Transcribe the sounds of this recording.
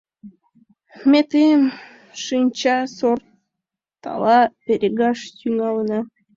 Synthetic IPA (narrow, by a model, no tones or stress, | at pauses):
mʲet̪em | ʃɨnʲt͡ɕɑsor | t̪ɑ̰lˠɑpʲeɾʲeɡɑʃtyŋɑlˠənɑ